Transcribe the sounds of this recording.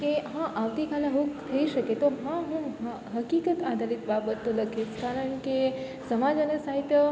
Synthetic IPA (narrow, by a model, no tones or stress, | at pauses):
keɦãʔaʋt̪ikalaɦukt̪ʰəiʃəket̪oɦãɦũ | ɦəkikət̪ad̪ʱalit̪babət̪ːoləkʰiskaɾəɳke | səmad͡ʒənesaɦit̪ə